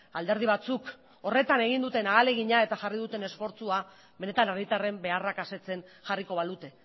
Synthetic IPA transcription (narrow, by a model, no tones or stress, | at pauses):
ald̪e̞ɾð̞iβat͡suk | o̞re̞t̪ane̞ɣind̪ut̪e̞naːle̞ɣ̞iɲae̞t̪axarið̞ut̪e̞ne̞sfo̞ɾt͡sua | βe̞ne̞t̪anaɾɣit̪are̞mbe̞arakase̞t͡se̞nʝariko̞β̞aðut̪e̞